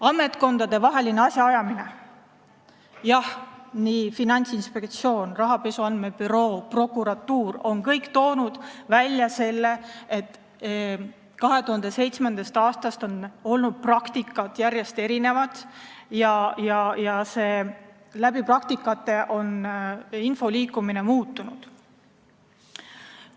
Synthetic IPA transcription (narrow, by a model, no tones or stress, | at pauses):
ɑmːe̞t̪ˑko̞nd̪̥ɑd̪e̞vɑɦe̞lineɑsʲjɑɑjɑmine̞ | jɑhniːfinɑnʲt̪sinspe̞k̚t̪sio̞ːnrɑɦɑpe̞suɑnd̪me̞pyɾo̞ːpro̞kːˑuɾɑt̪ːˑuːɾo̞nkɤjkt̪o̞ːnud̪̥vælʲːjɑse̞lːe̞et̪ˑː | kɑɦe̞t̪uhɑnd̪̥e̞se̞jt̪smend̪̥ɑst̪ɑːst̪ɑst̪o̞no̞lnud̪̥̚prɑkt̪ikːˑɑt̪jæɾje̞st̪e̞ɾine̞vɑt̪jɑjɑjɑse̞ː | læbiprɑk̚t̪ikːˑɑt̪ːˑe̞ʔo̞ninfo̞liːkːˑumine̞muːt̪ːˑunud̪̥